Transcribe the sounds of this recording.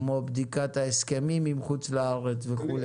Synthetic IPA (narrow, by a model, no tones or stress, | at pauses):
mo̞bd̪ikat̪aeskemimimχut͡slaaʁet͡sveχule